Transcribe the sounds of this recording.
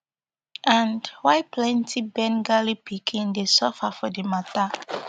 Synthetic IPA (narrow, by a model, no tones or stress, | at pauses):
ãndwaɪplɛ̃ntʰibɛ̃nɡalipʰikʰĩndesɔfafɔdemata